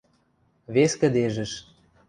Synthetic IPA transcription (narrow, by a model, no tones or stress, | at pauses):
βeskə̆d̪eʒə̆ʃ